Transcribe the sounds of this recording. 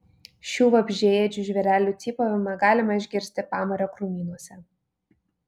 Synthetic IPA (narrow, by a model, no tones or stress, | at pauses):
ʃʲuːʋɐbʲʒʲeːjɛd͡ʒʲuʒʲʋʲɛɾʲæːlʲuːˑt̪sʲiːpoʋʲɪmɐɡɑːlʲɪmɐɪʒʲɡʲɪɾʲsʲt̪ʲɪpɑːmɐɾʲoːkɾumʲiːnuɔsʲɛ